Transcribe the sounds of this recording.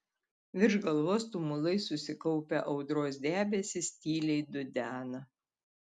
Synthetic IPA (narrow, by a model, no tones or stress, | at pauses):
ʋʲɪɾʒɡɐlˠʋoːst̪ʊmʊlˠɐɪsʊsʲɪkɔʊpʲɛʔɒʊd̪ɾoːsd̪ʲæːbʲɛsʲɪsʲt̪ʲiːlʲɛɪd̪ʊd̪ʲæːnɐ